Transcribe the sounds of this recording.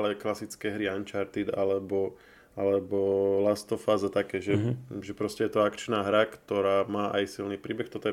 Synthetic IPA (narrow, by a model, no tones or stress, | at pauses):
lɛklasit͡skɛːɦɾiant͡ʃaɾt̪id̪a̰lɛbɔ | alɛbɔlast̪ɔfaːzat̪akɛːʒɛʒɛpɾɔscɛjɛt̪ɔakt͡ʃnaːɦɾakt̪ɔɾaːmaːʔajsilniːpɾiːbɛxt̪ɔt̪ɔɛ